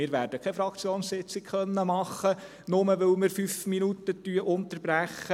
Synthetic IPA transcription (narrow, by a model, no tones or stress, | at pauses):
ɪːɾʋæːɾd̥əkʰɛfɾɑkt͡sjoːnssɪt͡sɪkχœnːəmɑχə | nʊməʋɪlmɪɾfyfminut̪ətyəʔʊnt̪əɾb̥ɾæχə